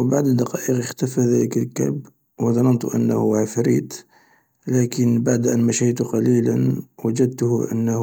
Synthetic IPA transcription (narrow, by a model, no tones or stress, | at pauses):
wbaʕd̪əd̪ːɑqɑʔəqəxt̪æfæðæləkəlkæ̰b | wəd̪ˤɑnɑnt̪ṵʔə̰nːhuʕafɾit̪ | lækənbaʕd̪ʔænmæʃijt̪uqɑlilənwæd͡ʒəd̪̚t̪ʊhʔə̰nːh